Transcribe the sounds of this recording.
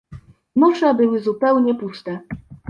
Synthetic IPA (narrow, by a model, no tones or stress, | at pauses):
nuʂɛbɘwɘzupɛwɲɛpust̪ɛ